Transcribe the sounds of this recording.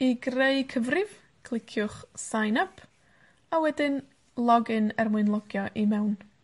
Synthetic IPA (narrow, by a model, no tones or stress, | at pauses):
iɡreɨkʰəvrɪv̥ | kʰl̥ˠɪkʰjʊχsajnapʰ | awɛdɪn | lˠɔɡɨnɛrmwɨnlˠɔɡjɔʔimɛwn